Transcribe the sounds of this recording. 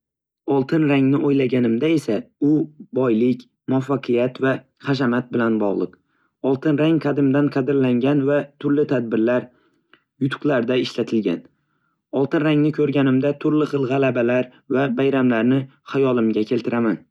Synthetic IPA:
ɒlˠt̪ʰɪnɾaŋnɪʔojlaɡʲanɪmd̪ae̞saʊbɒjlɪkʲ | mʊafːɑqʰɨjat̪va | χɑʃamat̪̚bɪlanbɒʁlˠɨ̰q | ɒlˠt̪ʰɪnɾaŋqʰɑd̪ɪmd̪anqʰɑd̪ɪɾlaŋɡʲanvat̪ʰʊɾlɪt̪ʰad̪̚bɪɾlaɾ | jʊt̪ʰʊ̥qlˠaɾd̪aɪʃlat̪ʰɪlɡʲa̰n | ɒlˠt̪ɪnɾaŋnɪkʲʰɵɾɡʲanɪmd̪at̪ʰʊɾlɪχɨlˠʁɑlabalaɾ | vabajɾamlaɾnɪhajɒlˠɪmɡʲakʲʰe̞lt̪ʰɪɾʔaman

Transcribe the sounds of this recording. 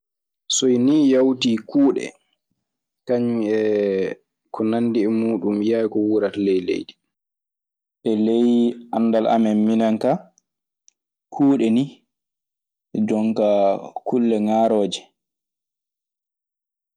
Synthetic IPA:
sɔjnijawtiːkuːɗɛ̰ | kaɲɛ | kɔnandiɛmuːɗumjajkɔwuɾatalɛjlḛjɗi | ʔɛlejanːdalʔa̰mɛnminaŋka | kʰuːɗɛni | d͡ʒɔŋkakʰulːɛŋaːɾoːd͡ʒɛ

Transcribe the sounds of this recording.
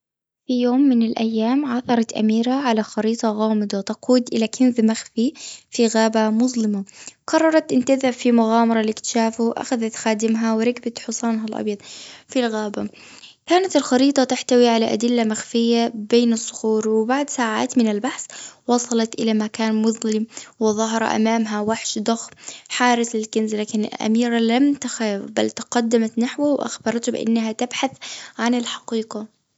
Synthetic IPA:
fijoːmːɪnɪlʔajːaːmʕɑθɑɾˤɑt̪ʔa̰miːɾaʕalaxɑɾiːt̪ˤɑɣɑːmɪd̪ˤɑt̪ɑquːd̪ʔɪlakʰɪnzmaxfifiɣaːbamʊzˤlɪmaqɑrˤːɑɾˤɑt̪ʔɪnt̪aðafimʊɣaːmɑɾˤɑlɪkt̪ʃaːfuʔa̰xaðat̪xaːd̪ɪmɦawɪɾˤɑɡbat̪ħʊsˤɑːnɦalʔɑ̰bjɑd̪̚ˤfilɣaːba | kaːnat̪ɪlxɑɾiːt̪ˤɑt̪aħt̪awiʕalaʔa̰d̪ɪlːamaxfɪjːabeːnɨsˤːʊ̥xuːɾwɪbaʕd̪saːʕa̰ːt̪mɪnɪlbaħswɑsˤɑlɑt̪ʔɪlamakaːnmʊðˤlɪmwɪðˤɑɦɑɾˤɑ̰ʔa̰maːmɦawaħʃd̪ˤɑxħaːɾɪslɪlkɪnzlaːkɪnɪ̰lʔa̰miːɾalamt̪axafbalt̪ɪqɑd̪ːamat̪naħwawʔa̰xbɑɾˤt̪hbɪ̰ʔa̰nːaɦat̪abħaθʕanɪlħɑqiːqɑ

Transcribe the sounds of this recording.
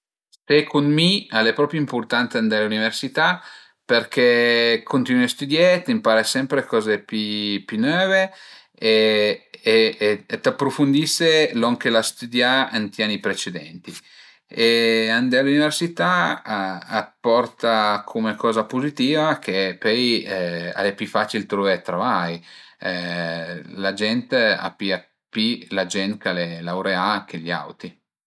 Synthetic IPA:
sekonmialepɾɔːpjeimport̪ant̪sand̪ɛluniversit̪a | perkekʰont̪inuast̪ud̪jet̪impaːɾesɛmpɾekɔːzepipynøːve | eː | t̪apːɾofund̪iselɔŋkelast̪ud̪jaant̪janːipɾet͡ʃed̪ɛ̰nt̪i | eand̪ɛaluniveɾsit̪a | apːɔrt̪akʰomekɔːzapozit̪iːvakʰepɛj | a̰lepifat͡ʃilt̪ɾɔvet̪ɾavaj | lad͡ʒɛnt̪a̰pia | pilad͡ʒɛnt̪kalelawɾeak̟ʰeʎa̰wt̪i

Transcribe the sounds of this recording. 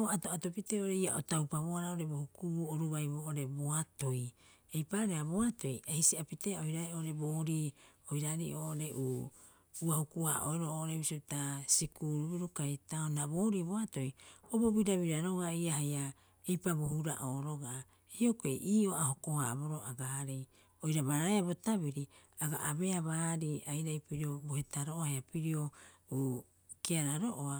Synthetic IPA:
oatoato̞piteʔoɾejaʔotawpaβoaɾaoɾe̞bohukubuoɾuβajboʔoɾe̞boato̞j | ejpaɾeaboato̞jʔehisiapiteaoiɾaɾioɾe̞boːɾiːoiɾaɾḭʔoʔoɾe̞ʔu | uahukua̰ʔo̰eɾooʔoɾebisotasikuɾuβiɾukajtaonaboːɾiboato̞jobobiɾaβiɾaɾo̞ɡaiaɦaja | ejpabohuɾa̰ʔoːɾo̞ɡa | okeʔiːo̞ahokohabo̞ɾoaɡaaɾi | ojɾaβaɾaeabotaβiɾi | aɡa̰ʔabe̞aβaːɾiajɾajpiɾiobohe̞taɾooaheapiɾio̞uː | kiaɾaɾoʔoa

